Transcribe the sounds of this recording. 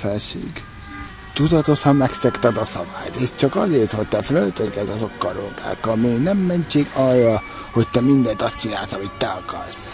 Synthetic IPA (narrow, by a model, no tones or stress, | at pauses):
fɛlʃḛːɡ | t̪ud̪ɒt̪o̞ʃɒmːɛksɛkt̪ɛd̪ɒsɒba̰ːjt̪eːʃt͡ʃɒkɒzeːrt̪ho̞c̚t̪ɛfløːt̪økɛzɒzo̞kːɒɾoːpʰa̰ːkːɒmeːɡnɛmːɛɲt͡ʃeːkʰɒrːɒ | ho̞ct̪ɛmind̪ɛnt̪ɒt͡ʃinaːlsɒmit̪ːɛɒkɒ̰rs